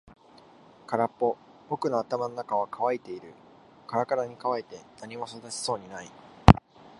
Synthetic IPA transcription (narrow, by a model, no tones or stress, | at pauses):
kaɾapːo̞ | bo̞kɯ̟no̞at̪amano̞nakaβ̞akʰaβait̪e̞iɾɯ̟ | kaɾakaɾaɲ̟ikaβait̪e̞naɲ̟imo̞so̞d̪at͡ɕi̥so̞ːɲ̟inai